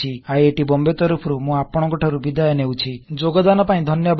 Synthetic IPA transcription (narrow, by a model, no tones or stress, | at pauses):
iaeeʈibɔmbet̪ɔɾupʰɔɾumũapɔɽ̃ɔŋkɔʈʰaɾubid̪ajɔnewt͡ʃʰid͡ʒoɡɔd̪anɔpaĩd̪ʱɔnjɔb